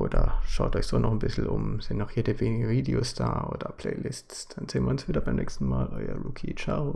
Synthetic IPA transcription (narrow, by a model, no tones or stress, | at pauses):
ʔoːdɐʃaʊtɔʏçz̥oːnɔχn̩bɪsl̩ʔʊmz̥ɪntnɔχjeːdəveːnɪɡəviːdeoːsd̥aːʔoːdɐpʰl̥ɛɪːlɪstsd̥anzeːənviːɐʊnsv̥iːdɐbaɪmnɛ̰ːkstn̩maːlʔɔʏɐʁuːkʰit͡ʃao